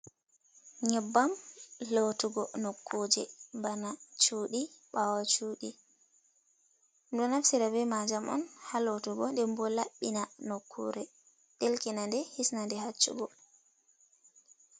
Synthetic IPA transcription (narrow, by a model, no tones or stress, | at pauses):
ɲɛbːamlotuɡɔnokʰːod͡ʒɛmbanat͡ʃuːɗiɓawat͡ʃuːɗi | ɗɔnafsiɾabɛmad͡ʒamʔɔ̰nhalotuɡɔndɛmbɔlaɓːinanokʰːṵɾɛ | ɗelkɛnandɛhisnandɛhat͡ʃːṵɡɔ